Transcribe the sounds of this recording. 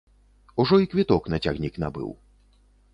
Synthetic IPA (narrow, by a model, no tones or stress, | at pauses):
uʐɔikʋʲit̪ɔknɐtʲaɣnʲiknabɨ̰w